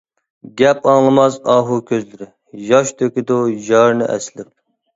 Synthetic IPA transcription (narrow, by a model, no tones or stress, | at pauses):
ɡʲɛpɑŋlˠɨmɑzɑːɦukʲʰøzlɪɾɪ | jɑʃt̪ʰøkʲid̪ujɑɾnɨʔɛ̰slɪp̚